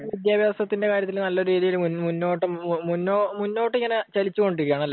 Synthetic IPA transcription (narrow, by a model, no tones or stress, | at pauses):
ʋid̪jaːbʱjaːsɐt̪ːinde̞kaːɾjɐt̪ːilnɐlːɐo̞ɾuɾiːðijilmunmunːo̞ːʈːɨmunːoːmunːo̞ːʈːiŋːɐnet͡ɕɐlit͡ɕːuko̞ɳɖiɾikːjaːɳɐlːe